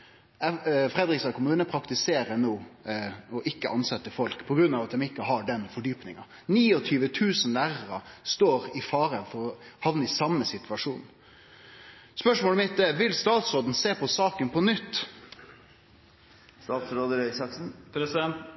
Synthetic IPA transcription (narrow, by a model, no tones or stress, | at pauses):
fɾɛd̪ɾɪksɑkʰʊmʉːnəpʰɾɑkt̪ɪseːɾənoː | ɔʔɪkːəʔɑnsɛt̪ːəfɔlkpʰɔɡɾʉnːɑʋɑt̪d̪ɛmɪkːəɦɑɖɛnfɔɖyːpnɪŋɑ | niːɔt̪ʰyːʋət̪ʰʉːsənlæːɾəɾɑst̪oːɾɪfɑːɾəfɔɾɔhɑʋnəɪsɑmːəsɪt̪ʰʉɑʂuːn | spœʂmoːlɛmɪt̪̚d̪ɛʋɪlst̪ɑːt̪sɾoːd̪n̩seːpɔsɑːkənpʰɔnʏt̪ː | st̪ɑːt̪sɾoːd̪əɾœʏsɑksn̩pɾɛ